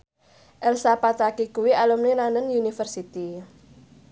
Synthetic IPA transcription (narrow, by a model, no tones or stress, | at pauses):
ʔɛlsapat̪akikuwialumninanənjunifərsit̪i